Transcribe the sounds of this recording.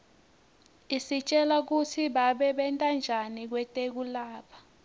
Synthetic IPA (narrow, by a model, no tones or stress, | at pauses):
isit͡ʃʼɛlak̬utʰiɓaɓɛɓɛntʼand͡ʒʱanik̬wɛtʼek̬ulaːpʰḁ